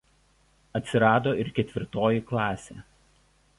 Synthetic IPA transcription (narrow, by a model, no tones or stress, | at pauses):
ɐt̪ʲsʲɪɾɑːd̪oːɪɾkʲɛt̪ʲʋʲɪɾt̪oːjiklˠɑːsʲḛː